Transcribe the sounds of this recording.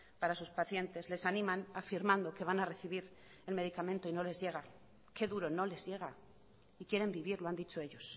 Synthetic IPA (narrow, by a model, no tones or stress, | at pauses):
paɾasuspaθje̞nt̪e̞zle̞sanĩmanafiɾmãnd̪o̞ke̞β̞anare̞θiβ̞iɾ | e̞lme̞ðikamẽ̞nt̪o̞ino̞le̞zʝe̞ɣ̞a | ke̞ðuɾo̞no̞le̞zʝe̞ɣ̞a | ikje̞ɾe̞mbiβ̞iɾloand̪it͡ʃo̞e̞ʎo̞s